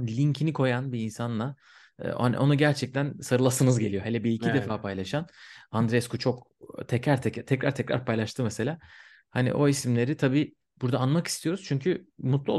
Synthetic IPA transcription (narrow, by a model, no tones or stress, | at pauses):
lʲiɲcʰinikʰo̞janbiːnsanlˠa̰ː | hanḭʔo̞̰nuɟæɾt͡ʃʰɛc̚t̪ʰænsaɾɯlˠasɯnɯzɟe̞lʲijo̞ɦelʲɛbiicʰid̪efaːpʰajlˠaʃanand̪ɾeɛskut͡ʃʰo̞kt̪ʰɛcɾaɾt̪ʰɛt̪ʰɛcɾaɾt̪ʰɛcɾa̰ɾpʰajlˠaʃt̪ʰɯmɛse̞lʲaː | hanḭʔo̞isimlʲe̞ɾit̪ʰabiː | b̥uɾd̪aːnmaki̥st̪ijo̞ɾuz̥t͡ʃʰyɲcʰymut̪lˠuo